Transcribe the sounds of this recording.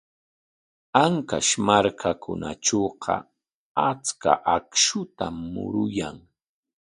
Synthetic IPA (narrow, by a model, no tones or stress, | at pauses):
aŋkaʃmaɾkʰakʰʊnaʈ͡ʂoːqʰɑ̰ | at͡ska̰ʔakʃʊt̪amːʊ̰ɾʊjaŋ